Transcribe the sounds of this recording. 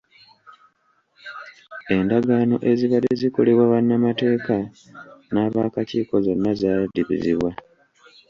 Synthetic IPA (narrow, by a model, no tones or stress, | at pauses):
e̞ndaɡaːno̞̰ʔe̞ziβaliziko̞le̞βwaβanːamate̞ːka | naːβaːkaciːko̞zo̞nːazadiβḭziβwa